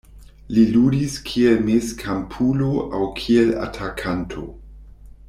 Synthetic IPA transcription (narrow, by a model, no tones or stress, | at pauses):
liludiskʰielmeskʰampʰuloʔawkʰiela̰tʰakʰantʰo̞̰